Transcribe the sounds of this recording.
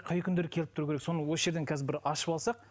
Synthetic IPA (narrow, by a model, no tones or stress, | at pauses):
qʰɑjkʲʰʏnd̪eɾɪkʲʰe̞lɪp̚t̪ʊɾuːkʲeɾekso̞nəwo̞səʒe̞ɾd̪ekʲʰæzɪbɪɾɑʃəpɑlˠsɑq̚